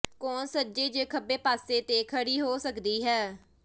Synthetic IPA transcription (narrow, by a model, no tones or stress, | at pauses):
kɔːnsəd͡ʒeːd͡ʒeːkʰəbeːpaːseːt̪eːkʰəɽiːɦoːsəkd̪iːɦɛː